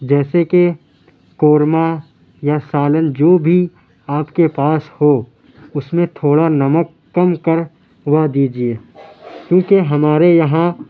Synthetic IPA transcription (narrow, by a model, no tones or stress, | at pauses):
d͡ʒɛːseke | koːɾma | jasaːlənd͡ʒoːbʱi | aːpkepaːsho | ʊsmẽt̪ʰoːɽanɐməkːɐmkəɾ | ʋɐd̪iːd͡ʒieːkjũːkeɦɐmaːɾejɐɦã